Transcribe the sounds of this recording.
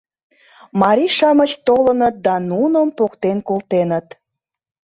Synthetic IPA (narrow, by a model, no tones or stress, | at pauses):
mɑɾʲiʃɑmət͡ɕt̪olənət̪̚d̪ɑnunəmpokt̪enkolt̪enət̪